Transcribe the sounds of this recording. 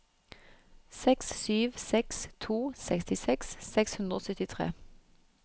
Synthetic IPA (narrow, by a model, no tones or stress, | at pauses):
sɛkssyːʋsɛkst̪ʰuːsɛkst̪ɪsɛksːɛkshʉnd̪ʁo̰ːsœt̪ɪt̪ʰʁḛː